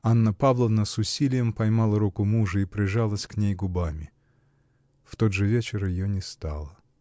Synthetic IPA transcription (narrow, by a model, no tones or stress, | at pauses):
anːəpavlˠəvnəsʊsʲilʲɪjəmpɐjmalˠəɾukʊmuʐɨipɾʲɪʐalˠəsʲknʲejɡʊbamʲɪ | ft̪o̞d̪ʐɨvʲet͡ɕɪrjɪjonʲɪst̪a̰lˠə